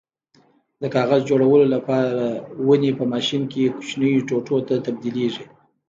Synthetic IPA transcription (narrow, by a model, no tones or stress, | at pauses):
d̪əkɑɣazd͡ʒoɽawəlolapɑɾawənepəmɑʃinkeku̥t͡ʃnəjoʈoʈot̪at̪ab̚d̪ileʐi